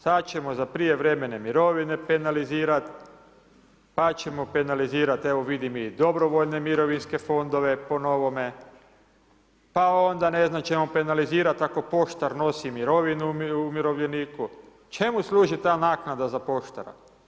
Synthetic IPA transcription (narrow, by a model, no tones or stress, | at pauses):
sat̪t͡ɕe̞mozapɾije̞ʋɾe̞menemiɾo̞ʋine̞pe̞naliziːɾat̪ | pat͡ɕe̞mope̞naliziːɾat̪eʋoʋid̪imid̪o̞bɾo̞ʋoʎne̞miɾo̞ʋinske̞fo̞nd̪o̞ʋe̞po̞no̞ʋome̞ | pao̞nd̪ane̞znamt͡ʃe̞mope̞naliziːɾat̪ako̞po̞ʃt̪aɾno̞simiɾo̞ʋinuumiɾo̞ʋʎe̞niːku | t͡ʃemuslˠuːʒit̪aːnaːknad̪azapo̞ʃt̪a̰ɾa̰